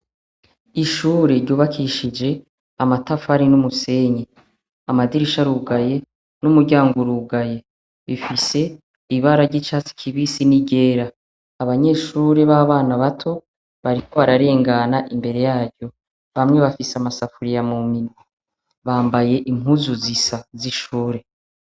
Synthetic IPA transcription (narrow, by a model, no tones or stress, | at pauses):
iʃuːɾeɾɟuːβakʰiʃid͡ʒe̞ | amatafaɾinumuse̞ɲe | amadiɾiʃaɾuːɡaje̞ | numuɾɟaːŋɡoɾuːɡaje̞ | βifise̞ | iβaɾaɾɟit͡ʃaːt͡si̥kʰiβisiniɡe̞ːɾa | aβaɲe̞ːʃuːɾe̞βaːβaːnaβatʰo̞ | βaɾikʰo̞βaɾaɾe̞ːŋɡanaʔimbe̞ɾe̞jaːɾɟo̞ | βamŋe̞βafiseamasafuɾijamumino | βaːmbaje̞ʔimuzuzisaziʃuːɾe̞